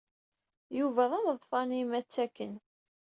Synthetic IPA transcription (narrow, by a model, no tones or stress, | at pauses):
juvæðˤæmðˤfɑnimæt͡sːækːən